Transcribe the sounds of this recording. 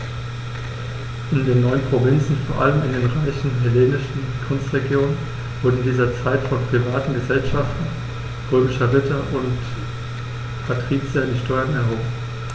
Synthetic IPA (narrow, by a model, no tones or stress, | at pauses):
ʔɪndeːnːɔʏənpʁ̥ovɪnt͡sn̩foːɐʔaləmɪndeːnʁaɪçn̩ɦɛleːnɪʃn̩ | kʰʊnstʁ̥eɡjoːnən | v̥ʊɐdn̩diːzɐt͡saɪtfɔnpʁ̥ivaːtn̩ɡəzɛlʃaftn̩ | ʁøːmɪʃɐʁɪtɐʔʊnt | pʰatʁ̥iːt͡sjadiːʃtʰɔʏɐnɛɐɦoːbm̩